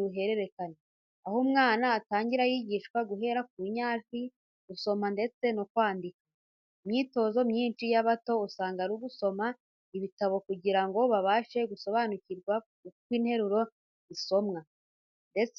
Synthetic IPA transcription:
uɦe̞ɾe̞ɾe̞kane | ahomŋaːnaːtaːɲɟiɾajiɟiʃkwaɡuɦe̞ɾak̚uɲaːt͡ʃi | ɡuso̞mande̞t͡se̞nokwaːndikḁ | imɲiːto̞zo̞mɲiːnt͡ʃijaβato̞usaːŋɡaɾuɡuso̞ma | iβitaβo̞kuɟiɾaŋɡo̞βaβaːʃe̞ɡuso̞βanuciɾɡwa | kwiːnhe̞ɾuɾo̞ | iso̞mŋa | nde̞t͡s

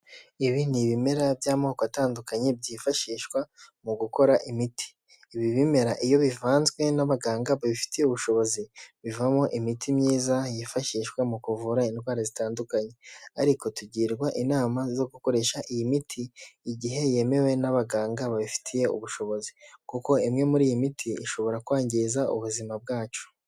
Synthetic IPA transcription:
iβiniβime̞ɾabjaːmookoataːndukaɲe̞b̚ɟiːfaʃiːʃkwamuɡuko̞ɾaʔimitʰi̥ː | βiβime̞ɾaʔijo̞βivaːnzɡwe̞naβaɡaːŋɡaβaβifi̥tijeuβuʃo̞βo̞ziβivamoʔimitʰimɲiːzajifaʃiːʃkwamukuvuɾaindɡwaːɾazitaːndukaɲe̞aɾiko̞tuɟiːɾɡwaʔinaːmazo̞ɡuko̞ɾe̞ʃaʔijimitʰiːɟiɦe̞je̞me̞we̞naβaɡaːŋɡaβaβifi̥tʰije̞ṵβuʃo̞βo̞zikuko̞imŋe̞muɾiːjimitʰiḭʃo̞βo̞ɾakwaːɲɟizaṵβuzimab̚ɡaːt͡ʃo̥

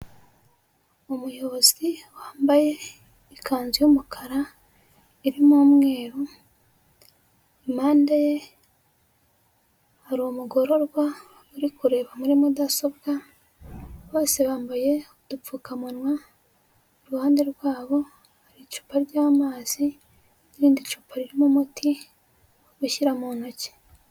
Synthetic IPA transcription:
omujo̞βoz̥iwaːmbaje̞ | ikʰaːnzijumukʰaɾa | iɾimuːmŋe̞ːɾo | imaːndaje̞ | haɾomuɡo̞ɾo̞ɾɡwa | uɾikuɾe̞ːβamuɾimudaso̞bɡa | βo̞ːse̞βaːmbaje̞ud̥up͡fuːkamunwa | oɾuhaːnde̞ɾɡwaːβo̞ | haɾit͡ʃu̥ːpaɾɟaːmaːz̥i | niɾiːndit͡ʃuːpʰaɾiɾimumutʰi | oβuʃiɾamono̞ce̥

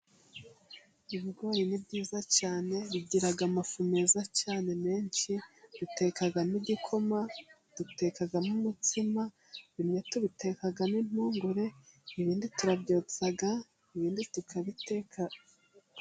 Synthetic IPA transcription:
iβiɡoːjinibɟiːzacaːne̞βiɟiɾaɡamafume̞zacaːne̞me̞ːɲʃid̥ute̞kaɡaniɟikʰo̞ma | d̥ute̞kaɡamumutima | βimɲetuβite̞kaɡanin̥uːŋɡuɾe̞iβiːndituɾabɟoːt͡saɡa | iβiːnditukʰaβite̞ːkʰa

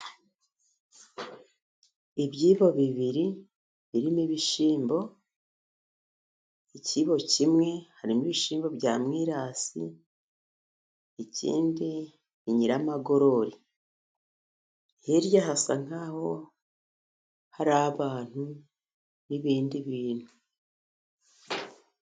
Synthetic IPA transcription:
iβjiːβo̞βiβiɾi | βiɾimiβiʃiːmbo̞ | iciβo̞cimŋe̞haɾimuβiʃiːmbo̞bɟaːmŋiːɾasḭ | ecḭːndi | βiɲiɾamaɡo̞ɾo̞ɾi | heɾjahasaŋ̥aːho̞ | haɾaːβaːn̥u | niβiːndiβiːn̥hu

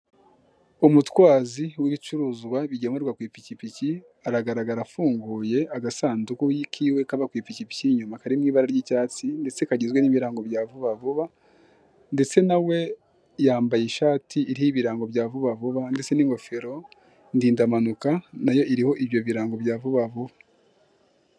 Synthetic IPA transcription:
umutwaːziwiβit͡ʃuɾuːzɡwaβiɟemuɾɡwakwiːpicipici | aɾaɡaɾaɡaɾafuːŋɡuːje̞ʔaɡasaːndukujikʰiːwe̞kaβakwiːpicipi̥ciɲumakaɾimŋiːβaɾaɾɟicaːt͡sinde̞t͡se̞kaɟizɡwe̞niβiɾaːŋɡo̞bjaːvuβavuβa | ndet͡se̞nawe̞ | jaːmbajiʃaːtiiɾihiβiɾaːŋɡo̞bɟaːvuβavuβande̞t͡se̞niŋɡo̞feɾo̞ | ndiːndamanukanajo̞ʔiɾiho̞ʔiβjo̞βiɾaːŋɡo̞bjaːvuβavuβa

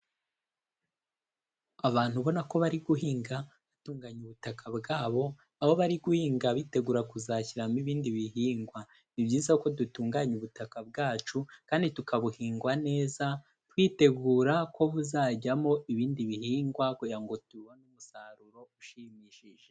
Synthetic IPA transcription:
aβaːn̥huβo̞nako̞βaɾiɡuɦiːŋɡa | βatuːŋɡaɲuβutakʰabɡaːβo̞ | ahoβaɾiɡuhiːŋɡaβiːte̞ɡuːɾakuzaciɾamiβiːndiβiɦiːŋɡwa | nibɟiːzako̞dutuːŋɡaɲuβutakab̚ɡaːt͡ʃukaːnditukaβuhiːŋɡwane̞ːza | twiːte̞ɡuːɾako̞βuzaɟamo̞ʔiβiːndiβihiːŋɡwakojaŋɡo̞tuwonumusaɾuɾo̞uʃimiːʃiʒ̥e

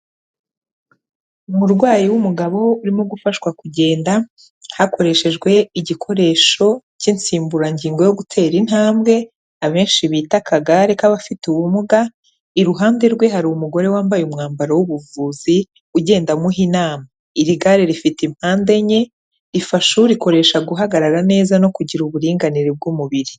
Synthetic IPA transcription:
umuɾɡwaːjiwumuɡaβo̞uɾimoɡufaʃwakuɟe̞ːnda | hakʰo̞ɾe̞ʃe̞ʒɡwe̞iɟikʰo̞ɾe̞ːʃo̞cint͡siːmbuɾaɲɟiːŋɡo̞jo̞ɡutʰe̞ːɾinhaːmbɡe̞ | aβe̞ːnʃiβiːtakʰaɡaɾe̞kaβafituwumuɡa | iɾuɦaːnde̞ɾɡwe̞ɦaɾuumuɡo̞ɾe̞waːmbajumŋaːmbaɾawuβuvuːzi | uɟe̞ːndamuɦinaːma | iɾiɡaɾeɾifitim̥haːnde̞ɲe̞ | ɾifaʃuɾiko̞ɾe̞ʃaɡuɦaɡaɾaɾane̞ːzano̞kuɟiɾuβuɾiːŋɡaniɾeb̚ɡumuβiɾi

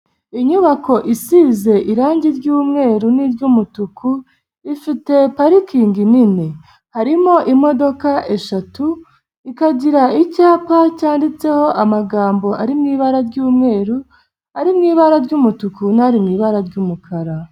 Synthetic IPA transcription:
iɲuβako̞ʔisiːze̞ʔiɾaːɲɟiɾɟuːmŋe̞ːɾuniɾɟumutuku | ifite̞paɾikiːŋɡinine | haɾimo̞ʔimo̞do̞kaʔe̞ʃatu | ikaɟiɾaicaːpacaːndit͡se̞ho̞ʔamaɡaːmbo̞ʔaɾimŋiːβaɾaɾɟuːmŋe̞ːɾu | haɾimŋiːβaɾaɾɟumutukunaɾimŋiːβaɾaɾɟuːmukʰaɾa

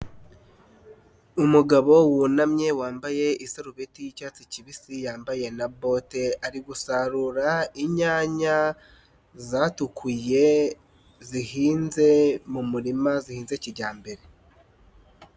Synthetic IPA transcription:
umuɡaβo̞wunamɲe̞waːmbaje̞isaɾuβetijicaːt͡siciβisijaːmbaje̞nabo̞te̞aɾiɡusaɾuɾaiɲaːɲa | zaːtukʰuje̞ | zihiːnze̞mumuɾimazihiːnze̞ciɾɟaːmbe̞ɾe̞

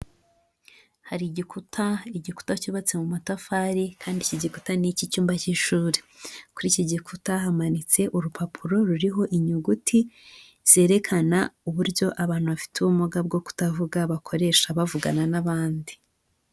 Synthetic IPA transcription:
haɾiɟikutʰaiɟiku̥tacuːβat͡se̞mumatafaɾikʰaːndiciɟiku̥tanicicuːmbaciʃuːɾe̥ | kuɾiciɟikutaɦamanit͡se̞ʔuɾupʰapʰuɾo̞ɾuɾiɦo̞ʔiɲuɡutʰi | z̥e̞ːɾe̞kʰanauβuɾɟo̞ʔaβaːn̥huβafi̥tuβumuɡab̚ɡo̞ku̥tavuɡaβakʰo̞ɾe̞ʃaβavuɡananaβaːndi̥

